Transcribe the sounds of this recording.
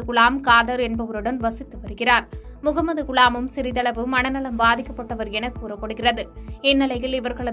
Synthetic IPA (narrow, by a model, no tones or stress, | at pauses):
ɯkʊɭaːmkaːðɐɾɛnbɐʋɐɾɯɽɐnʋɐsɪt̪ːɯʋɐɾɯɣɪraːɾmʊɣɐmɐðɯɣʊɭaːmɯmsɪɾɪðɐɭɐʋɯmɐnɐnɐlɐmbaːðɪkːɐpːɐʈːɐʋɐɾɛnɐkːuːrɐpːɐɽɯɣɪrɐðɯɛnːɪlɐjɪlɪʋɐɾɣɐɭɐ